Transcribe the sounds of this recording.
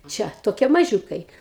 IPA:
ˈt͡ʃʲɛ toːˈkʲiɛ mɐˈʒʲuːkɐɪ

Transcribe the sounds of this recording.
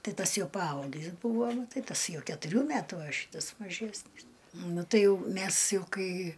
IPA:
ˈtɐɪ ˈtɐs ˈjɛʊ pɐˈɐʊɡʲɪs ˈbuːʋoː ˈnʊ ˈtɐɪ ˈtɐs ˈjɛʊ kʲɛtʊˈrʲuː ˈmʲætʊ ɐ ˈʃʲiːtɐs mɐˈʒʲæːsʲnʲiːs ˈnʊ ˈtɐɪ jɛʊ ˈmʲæs ˈjɛʊ ˈkɐɪ

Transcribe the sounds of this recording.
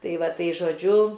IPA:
ˈtɐɪ ˈʋɐ ˈtɐɪ ʒoːˈd͡ʒʲʊ

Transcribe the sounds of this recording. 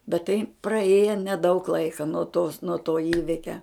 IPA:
bʲɛt tɐɪ prɐˈeːjɛ nʲɛˈdɐʊk ˈlˠɐɪkɐ nuɔ toːs nuɔ toː ˈiːʋʲɪkʲɛ

